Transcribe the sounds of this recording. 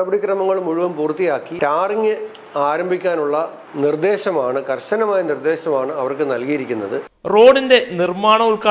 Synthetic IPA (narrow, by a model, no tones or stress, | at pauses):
ɐbɐɽikrɐmɐŋːɐɭumuɻuʋɐmpuːrt̪ːijaːkːitaːriŋːɨ | aːɾɐmbʱikʲːaːnuɭːɐ | nird̪e̞ːɕɐmaːɳɨkɐrɕɐnɐmaːjɐnird̪e̞ːɕɐmaːɳɨɐʋɐrkɨnɐlkijiɾikʲːunːɐðɨ | ro̞ːɖinde̞nirmaːɳɐuɭka